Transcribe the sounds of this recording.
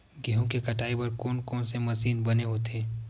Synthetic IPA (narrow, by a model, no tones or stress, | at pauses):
ɡeɦõkekɐʈaːibɐɾkɔːnkɔːnsemɐsiːnbɐneɦoːt̪eɦɛː